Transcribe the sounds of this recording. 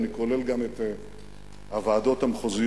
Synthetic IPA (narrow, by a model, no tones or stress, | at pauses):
nikole̞lɡamet̪e | avaːd̪o̞t̪amχozi